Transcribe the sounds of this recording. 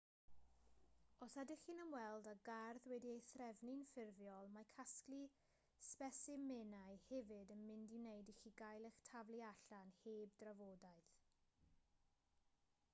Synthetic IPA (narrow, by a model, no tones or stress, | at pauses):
ɔsadɪχinənwɛlˠdaɡarðwɛdiejθrɛvnɪnfɪrvjɔlˠmakʰaskli | spɛsɪmenajhɛvɪdənmɪndɪwnejdiχiɡajlˠɪχtʰavlˠiaɬanheːb̚dravoːdaɨθ